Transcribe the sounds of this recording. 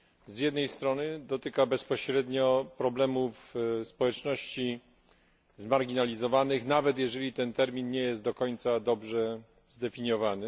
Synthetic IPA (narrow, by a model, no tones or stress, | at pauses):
zjɛd̪nɛjst̪ɾɔnɘd̪ɔt̪ɘkabɛspɔɕɾɛd̪ɲɔpɾɔblɛmufspɔwɛt͡ʂnɔɕt͡ɕi | zmaɾɡʲinalʲizɔvanɘxnavɛt̪jɛʐɛlʲit̪ɛnt̪ɛɾmʲinɲɛjɛst̪̚d̪ɔkɔɲt̪sad̪ɔbʐɛ | zd̪ɛfʲiɲjɔvanɘ